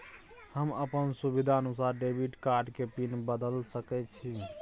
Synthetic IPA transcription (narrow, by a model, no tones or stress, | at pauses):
həməpənsubid̪ʱaənusaɾɖebʱiʈkaɾɖkepinbəd̪əlsəkɛt͡ʃʰi